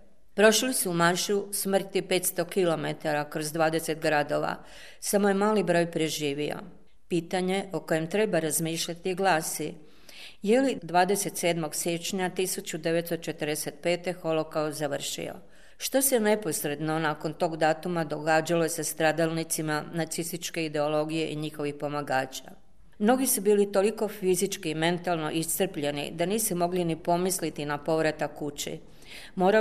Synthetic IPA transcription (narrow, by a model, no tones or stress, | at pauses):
pɾo̞ʃlisuːmaɾʃusmr̩t̪ipe̞t̪st̪o̞kilo̞me̞t̪aɾakɾo̞zd̪ʋaːd̪e̞se̞t̪ɡɾad̪o̞ʋa̰ | samo̞je̞maːlibɾo̞ːjpɾe̞ʒiːʋio̞̰ | piːt̪aɲe̞o̞ko̞je̞mt̪ɾe̞baɾazmiːʃʎat̪iɡlaːsi | jelid̪ʋaːd̪e̞se̞t̪se̞ːd̪moɡsjet͡ʃɲat̪isut͡ɕud̪e̞ʋe̞t̪st̪ot͡ʃe̞t̪əɾd̪ese̞t̪̚pe̞ːt̪e̞xo̞lo̞kaozaʋr̩ʃḭo̰ | ʃt̪o̞sene̞po̞sɾe̞d̪no̞naːko̞nt̪o̞ːɡd̪aːt̪umad̪o̞ɡaːd͡ʑaloesest̪ɾaːd̪alˠnit̪simanat̪sist̪it͡ʃke̞id̪e̞o̞lo̞ɡije̞ʔiɲixo̞ʋixpo̞maɡaːt͡ɕa̰ | mno̞ɡisubiːlit̪o̞liko̞fizit͡ʃkiːme̞nt̪alˠno̞̰ʔist̪r̩pʎe̞nḭd̪aniːsumo̞ɡlinipo̞mislit̪inapo̞ʋɾat̪akut͡ɕḭ | mo̞ːɾa